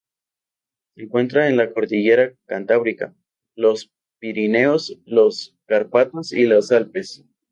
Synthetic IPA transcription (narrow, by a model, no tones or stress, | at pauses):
seːŋkwe̞nt̪ɾaenlako̞ɾt̪iʝe̞ɾakant̪aβɾika̰ | lo̞s | piɾine̞osloskaɾpat̪osilosalpes